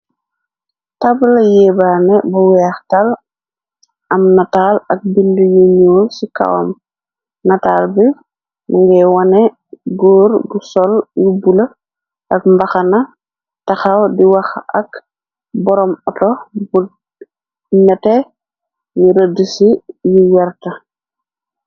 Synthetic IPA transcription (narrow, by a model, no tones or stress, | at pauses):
tablɐjɛːbaːnɛbɐwɛxtal | ʔɐmnataːlɐk̚bindujuɲoːlsika̰wa̰m | nɐtaːlbi | muŋɡɛwanɛ | ɡoːɾɡusɔljubulɐ | ʔɐkmbɐxɐnɐ | tɐxawdiwɐxɐ̰k | bɔɾɔmɔtɔbu | nɛtɛ | niɾədusijiwɛɾtɐ